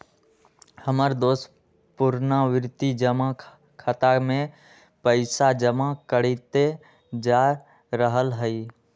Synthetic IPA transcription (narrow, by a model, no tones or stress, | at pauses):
həməɾd̪oːs | pʊɾnaʋɪɾt̪id͡ʒəma | kʰət̪amẽ | pəɪsad͡ʒəmakəɽit̪e | d͡ʒaː | ɾəɦəlɦəi